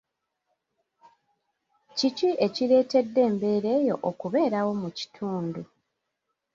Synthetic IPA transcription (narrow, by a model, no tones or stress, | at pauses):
ciciʔe̞cile̞ːte̞dːe̞ːmbe̞ːɾe̞ːjo̞̰ʔokuβe̞ːɾawo̞muci̥tʰuːndu